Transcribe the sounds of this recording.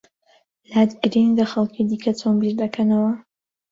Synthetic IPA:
laːd̪ɡɨɾinlɐxɐlˠkʰid̪iːkʰɐt͡s̪ʰonbiɾd̪ɐkʰɐnɐwɐ

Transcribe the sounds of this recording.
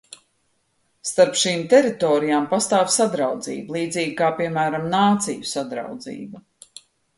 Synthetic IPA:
st̪aɾpʃiːmt̪ɛɾit̪ɔːɾijaːmpast̪aːvsad̪ɾawd̪zḭːblˠiːd̪ziːɡ̚kaːpiɛmæːɾamnaːt̪sijusad̪ɾa̰wd̪zḭːbu

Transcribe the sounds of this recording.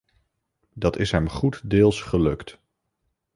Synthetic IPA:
dɑtɪsɦɛmχutdɪːlˠsχəlɵkt

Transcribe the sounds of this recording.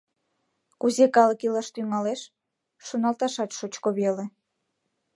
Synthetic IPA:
kuzekɑləkilɑʃt̪yŋɑleʃ | ʃonɑlt̪ɑʃɑt̪ʃot͡ɕkoβele

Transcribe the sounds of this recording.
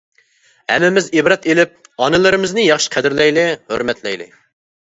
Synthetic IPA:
hɛ̰mːɪmɪzibɾɑt̪elɪp̚ɑnɨlˠɨɾɪmɪznɪjɑχʃi̥qʰɛd̪ɪɾlɛjlɪhø̰ɾmɛt̪ʰlɛjlɪ̰

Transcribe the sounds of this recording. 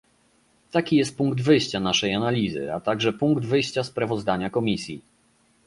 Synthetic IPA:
t̪akʲijɛst̪̚puŋɡd̪vɘjɕt͡ɕanaʂɛjanalʲizɘ̰a̰t̪aɡʐɛpuŋɡd̪vɘjɕt͡ɕaspɾavɔzd̪aɲakɔmʲisʲjḭ

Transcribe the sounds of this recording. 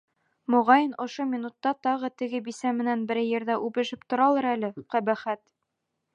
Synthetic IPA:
mŏʁɑjɤnŏʃomʲinut̪ːɑt̪ɒʁɤt̪ɘ̆ɡɘbisæmɘ̆nænbɘ̆ɾjɘ̆ɾðæʔʉbɘ̆ʃɘpt̪ŏɾɑlˠɤɾælɘqæbæχæt̪

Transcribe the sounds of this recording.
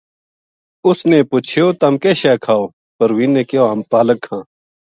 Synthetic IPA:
ʊsneːpʊt͡ʃʰjoːt̪ɐmkeːʃɛːkʰaːoː | pəɾʋĩːnːeːkeoːampaːləkʰːãː

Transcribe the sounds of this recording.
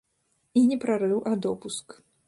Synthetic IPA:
inʲɛpɾaɾɨwʔad̪ɔpusk

